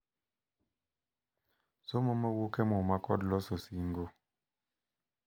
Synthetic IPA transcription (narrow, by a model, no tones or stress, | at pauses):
somoməwokɛmɔmakɔdlɔsosiŋɡo